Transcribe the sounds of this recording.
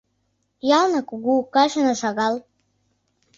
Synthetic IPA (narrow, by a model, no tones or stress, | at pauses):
jalnakʼuɡʷukaʃanaʂaɡal